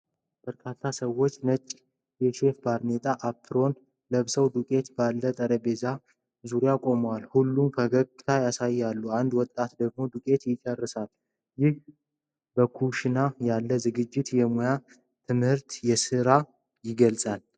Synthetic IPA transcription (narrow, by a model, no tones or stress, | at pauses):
b̥əɾkʰat̪ʰːasəwo̞t͡ʃːnət͡ʃʼː | jɛʃe̞fbaɾne̞t̪ʼaʔapʰːɨɾo̞n | ləβsəwd̪ukʼe̞t̪balːət̪ʼəɾəbe̞za | zuɾjakʼo̞məwalhulːumfʰəɡəɡʼt̪ʰajasajːjalːuand̪wɔt̪ʼːat̪d̪əɡ̚mo̞d̪ukʼe̞t̪jɪt͡ʃʼərːɨsal | jɪh | bəkʰuʃɪnajalːəzɨɡɨd͡ʒːɪt̪jɛmoja | t̪ʰɨmhɨɾt̪jɛsɨɾa | jɪɡəlsʼal